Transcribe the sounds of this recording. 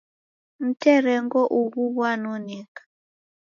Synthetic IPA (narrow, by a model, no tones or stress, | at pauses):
n̩tɛɾɛŋɡɔʔuɣuβwanɔnikḁ